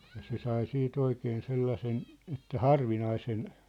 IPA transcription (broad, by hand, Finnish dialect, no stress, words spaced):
jɑ se sɑi siːt oikeːn selːɑsen etːæ hɑrʋinɑisen